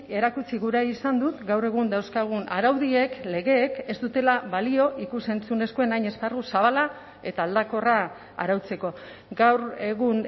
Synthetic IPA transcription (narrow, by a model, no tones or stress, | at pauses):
e̞ɾakut͡siɣuɾajisand̪ut̪ɡawre̞ɣ̞und̪awskaɣ̞una̰ɾawðie̞kle̞ɣe̞ːke̞zt̪ut̪e̞laβalio̞ʔikuse̞nt͡sune̞skoe̞najɲe̞sparusaβala | e̞t̪aːld̪ako̞ra̰ː | ɾawt͡se̞ko̞ | ɡawɾeɣun